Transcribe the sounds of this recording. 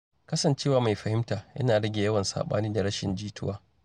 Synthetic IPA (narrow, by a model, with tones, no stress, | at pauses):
kɐ˦sɐ˨nt͡ʃeː˦˨waː˨ma˨jɸɐ˨hɪ˦mtaː˨jʔɐ̰˦naː˨ɽɐ˦ɡʲjɐ˦wɐ˨nsa̰ː˨ɓa̰ː˦niː˦da˨ɽɐ˦ʃɪ̰˨nd͡ʒiː˦tʰʊ˦waː˦